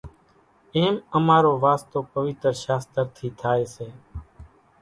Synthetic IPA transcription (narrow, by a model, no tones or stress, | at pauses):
eːməmaːɾoːʋaːst̪oːpəʋɪt̪ɾʃaːst̪əɾt̪ʰiːt̪ʰaːeːseː